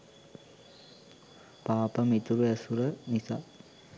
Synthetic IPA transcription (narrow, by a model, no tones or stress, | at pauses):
paːpɐmit̪uɾuɐsuɾɐnisa